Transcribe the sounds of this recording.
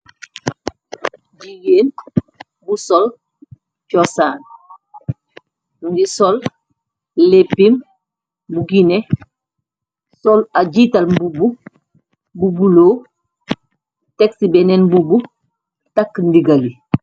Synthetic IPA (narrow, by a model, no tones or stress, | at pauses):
ɟiɡeːn | busɔl | t͡ʃɔsaːn | undisolː | epːim | buɡine | sɔlaɟitalmbubu | bubuloː | teksibenenbubu | takːndiɡaɡi